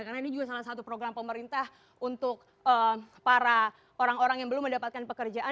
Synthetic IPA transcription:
karnainid͡ʒuɡasalahsat̪upɾoɡɾampəməɾint̪ah | unt̪ʊk̚ | əpaɾa | ʔoɾaŋoɾaŋjaŋbəlʊmːəndapat̪̚kanpəkərd͡ʒaʔa

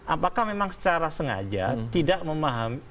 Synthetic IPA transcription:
ʔapakahmemaŋsə̥t͡ʃaɾasəŋa̰d͡ʒa̰t̪idaʔməmaɦami

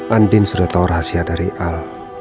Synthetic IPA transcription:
ʔandɪnsudaht̪auraɦasiadaɾiʔal

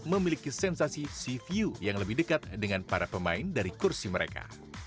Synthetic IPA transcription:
məmilikisɛnsasisifiujaŋləbɪhdəkat̪̚dəŋanpaɾapəmaɪndaɾikursiməɾḛka̰

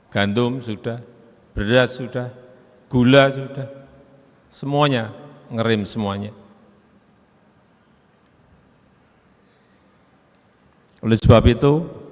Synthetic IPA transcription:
ɡ̥ant̪ʊmsuɖ̥ah | b̥ərdasuɖ̥ah | ɡ̥ulasuɖ̥ah | səmuaɲaŋəɾɪmsəmuaɲa | lesəbapit̪u

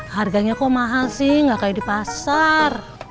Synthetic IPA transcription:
harɡaɲakɔmaɦalsihŋɡakajidipasar

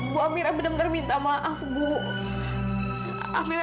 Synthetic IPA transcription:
buamiɾabənamənarmint̪amaʔasbu | a̰miɾ

